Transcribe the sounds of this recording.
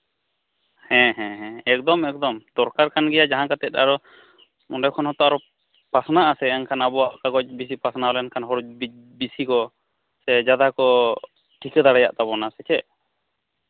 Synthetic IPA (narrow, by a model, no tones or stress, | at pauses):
hɛ̃ɦɛ̃ɦɛ̃ɛk̚d̪ɔmɛk̚d̪ɔmd̪̥ɔɾkaɾkanɡɛjad͡ʒaɦãkat̪ɛt̪̚ˀa̰ɾɔ | ɔndɛkʰɔnɦɔt̪ɔʔaɾɔ | pɾasɔnaʔasɛɛnkʰanabɔaʔkaɡɔt͡ʃ̚bis̬ipasnaɔlɛnkʰanɦɔɾɔbi | bisikɔ | sɛd͡ʒad̪akɔ | ʈʰikɛd̪aɽɛja̰ʔt̪abɔnasɛt͡ʃɛ